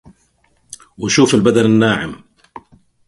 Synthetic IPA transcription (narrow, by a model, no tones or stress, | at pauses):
wɪʃuːfɪlbad̪anɪnːaːʕɪm